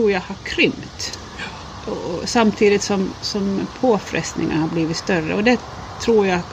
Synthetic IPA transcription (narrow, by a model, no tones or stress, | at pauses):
ɾuːɾjahaɾkʰɾʏmt̪ | ɔsamt̪ʰiːd̪ɪt̪sɔmsɔmpʰoːfɾɛ̰st̪nɪ̰ŋːa̰haɾbliːvɪt̪st̪œrə̰ɔd̪ɛ | t̪ʰɾuːɾja